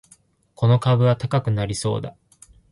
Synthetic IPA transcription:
kʰo̞no̞kabɯ̟βat̪akakɯ̟naɾʲiso̞̰ːd̪a̰

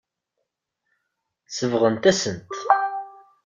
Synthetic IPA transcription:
səvʁənt̪æsənt̪

